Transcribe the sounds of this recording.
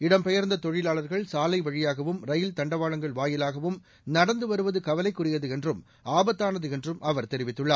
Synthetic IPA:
ɪɽɐmpɛjɐɾnd̪ɐt̪ɔɻɪlaːɭɐɾɣɐɭsaːlɐɪʋɐɻɪjaːɣɐʋɯmɾɐjɪlt̪ɐɳɖɐʋaːɭɐŋɡɐɭʋaːjɪlaːɣɐʋɯm | nɐɽɐnd̪ɯʋɐɾɯʋɐðɯkɐʋɐlɐɪkːʊrɪjɐðɯɛndrɯm | aːbɐt̪ːaːnɐðɯɛndrɯmʔɐʋɐɾt̪ɛɾɪʋɪt̪ːɯɭːaːɾ

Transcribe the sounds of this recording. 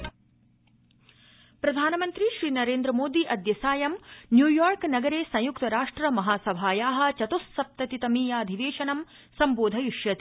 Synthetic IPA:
pɾɐd̪ʱaːnɐmɐnt̪ɾiʃɾiːnɐɾeːnd̪ɾɐmoːd̪iʔɐd̪jɐsaːjɐmnjuːjoːɾknɐɡɐɾeːsɐ̃j̃jukt̪ɐɾaːʂʈɾɐmɐɦaːsɐbʱaːjaːɦɐ̆t͡ʃɐt̪usːɐp̚t̪ɐt̪it̪ɐmiːjaːɐd̪ʱiʋeːʃɐnɐm | sɐmboːd̪ʱɐjiʂjɐt̪i

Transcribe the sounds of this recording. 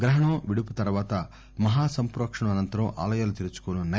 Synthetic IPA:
ɡɾɐɦɐɳɐːʋiɽuput̪ɐɾʋaːt̪ɐ | mɐɦaːsɐmpɾoːkʂɐɳɐmɐnɐnt̪ɐɾɐma̰ːlɐjaːlut̪iɾut͡ʃu̥koːnɐnɐ

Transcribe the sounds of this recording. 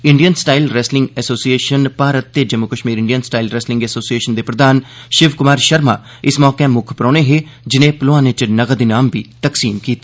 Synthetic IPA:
ɪɳɖijənsʈaːilɾɛːslɪ̃ŋɡɛsoːsieːʃənpaːɾət̪ːeːd͡ʒəmukəʃmiːɾɪ̃ɳɖijənsʈaːilɾɛːslɪ̃ŋɡɛsoːsieːʃənd̪eːpɾəd̪aːnʃɪʋkʊmaːɾʃəɾma̰ː | ɪsmɔːkemʊkʰpɾɔːneːɦeːd͡ʒɪnẽːploãːnet͡ʃnəɡəd̪inaːmbiːt̪əksiːmkiːt̪ː

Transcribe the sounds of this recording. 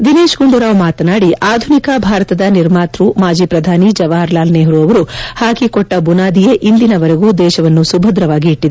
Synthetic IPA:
d̪ineːʃɡuɳɖuɾaːʋmaːt̪ɐnaːɽiʔaːd̪ʱunikɐbʱaːɾɐt̪ɐd̪ɐniɾmaːt̪ɾumaːd͡ʒiːpɾɐd̪ʱaːnid͡ʒɐʋaːɾlaːlneːɦɐɾuɐʋɐɾuhaːkikɔʈːɐbunaːd̪ijeʔind̪inɐʋɐɾeɡud̪ɛːʃɐʋɐnːusubʱɐd̪ɾɐʋaːɡiːʈːid̪e

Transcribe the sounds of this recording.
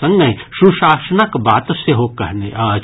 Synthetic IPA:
ɐ̃ŋɡə̃ʃuʃaːsənəkbaːt̪seɦokɐɦneʔ

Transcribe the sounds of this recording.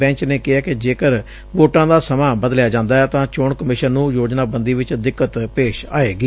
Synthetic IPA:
ɛ̃ːɲt͡ʃneːkɪɦaːkɪd͡ʒeːkəɾ | ʋoːʈãːd̪aːsəmãːbəd̪ljaːd͡ʒãːnd̪aːɛːt̪ãːt͡ʃoːɳkəmɪʃənːũːjoːd͡ʒnaːbənd̪iːʋɪt͡ʃd̪ɪkːət̪peːʃa̰ːeːɡiː

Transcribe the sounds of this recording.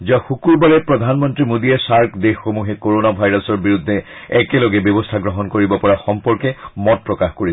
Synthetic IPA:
ziaxukuɹbalɛpɹɔd̪ʱanmɔntɹimod̪ijɛsaɹkʰd̪exːomuɦɛkoɹonabʱajɹɔsɔɹbiɹud̪ʱːɛ | ɛkɛlɔɡɛbjɔbɔstʰaɡɹɔɦɔnkoɹibɔpɔɹaxɔmpɔɹkɛmɔt̚pɹɔkaxkoɹi

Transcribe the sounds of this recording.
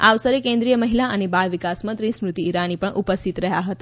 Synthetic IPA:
a̰ʋsəɾekẽnd̪ɾijəməɦilaənebajʋikasmə̃nt̪ɾismɾut̪iːɾanipəɳʔupəst̪ʰit̪ɾəɦjaɦət̪a

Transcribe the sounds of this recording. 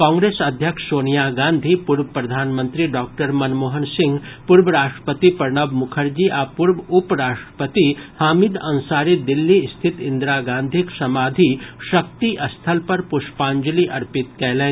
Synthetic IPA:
kɔ̃ːŋɡɾeːsɐd̪ʱjəkʂsoːnijaːɡãːnd̪ʱipuɾbəpɾɐd̪ʱaːnmə̃nt̪ɾiɖaːk̚ʈəɾmɐnmoːɦənsɪ̃ŋɡpuɾbɾaːʂʈɾə̥pət̪ipɐɾɳəbmʊkʰəɾd͡ʒiʔapuɾbupɾaːʂʈɾə̥pət̪ihaːmid̪ɐ̃nsaːɾid̪ɪlːist̪ʰɪt̪ɪnd̪ɾaɡãːnd̪ʱiksɐmaːd̪ʱiʃɐk̚t̪iʔɐst̪ʰəlpɐɾpʊʃpaːɲd͡ʒəliʔɐɾpɪt̪kɛɦlɛː

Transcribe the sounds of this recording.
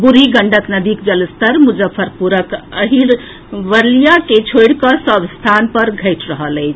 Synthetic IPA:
buɾiɡəɳɖəknəd̪ikd͡ʒələst̪əɾmud͡ʒəpʰːəɾpuɾəkəɦiɾ | ʋəɾlijaket͡ʃʰojɽkəsəbst̪ʰanpəɾɡʱəɪʈʰɾəɦələɪt͡ʃʰ

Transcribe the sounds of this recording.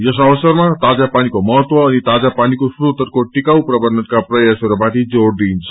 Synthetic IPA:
jʌs̬ʌβʌsʌrmat̪ad͡zapanikomʌɦʌt̪wʌːnit̪ad͡zapanikosrut̪ʌrkoʈikawprʌbʌrnʌt̪kaprʌjaseɾobaʈid͡zoɽd̪int͡sʰʌ̥

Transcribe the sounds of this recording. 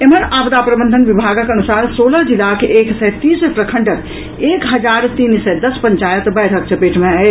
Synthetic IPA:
emənabd̪apɾəbənd̪ʱənʋibʱaɡəkənusaːɾsoləɦd͡ʒilakeʔeksɛt̪isepɾəkʰəɳɖək | ekɦəd͡ʒaɾt̪insɛd̪əspəɲt͡ʃajət̪bɛɽ̤ək̚t͡ʃʰəpeʈʰmea

